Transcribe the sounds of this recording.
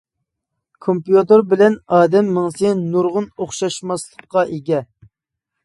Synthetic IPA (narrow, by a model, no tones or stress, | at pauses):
kʰompjut̪ɨɾbɪlɛnɑːd̪ɛmːəŋsɪnuɾʁʊnoχʃɑʃmɑslˠəqqːɑʔeɡʲɛ